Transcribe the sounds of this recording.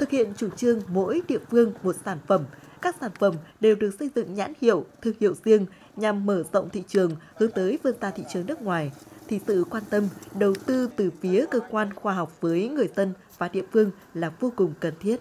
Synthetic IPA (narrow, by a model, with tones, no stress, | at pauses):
t̪ʰɨ˨˩k̚hḭ˧˨ənt͡ɕu˧˩ŋ͡mt͡ɕɨ˧əŋmo̰˧˥jɗḭ˧˨ənfɨ˧əŋmo˨˩t̚saː˧˩nfə˧˩mkaː˦˥k̚saː˧˩nfə˧˩mɗe˨˩wɗɨ˨˩ək̚sə˧jzɨ̰˧˨ŋɲa̰ː˧˥nhḭ˧˨əwt̪ʰɨ˨˩ŋhḭ˧˨wzi˧əŋ | ɲa˨˩mːəː˧˩zə̰˧˨wŋ͡mt̪ʰḭ˧˨t͡ɕɨ˨˩əŋhɨ˨˦nt̪əː˨˦jvɨ˧nt̪aː˧t̪ʰḭ˧˨t͡ɕɨ˨˩əŋnɨ˦˥ək̚ŋwaː˨˩jt̪ʰi˨˩sɨ̰˧˨kwaː˧nt̪ə˧mɗə˨˩wt̪ɨ˧t̪ɨ˨˩fi˨˦əkəː˧kwaː˧nxwaː˧ɦa˨˩wk͡p̚vəː˨˦jŋɨ˨˩əjzə˧n | vaː˨˩ɗḭ˧˨ənfɨ˧əŋ | laː˨˩vo˧kʊ˨˩ŋ͡mkə˨˩nt̪ʰi˦˥ət̚